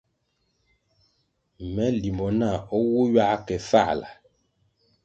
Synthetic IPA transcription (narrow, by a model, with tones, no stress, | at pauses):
mɛ˨˦li˨mbɔ˨na˦˨ɔ˦wo˦ɥa˦kɛ˨fa̰˦˨la̰˨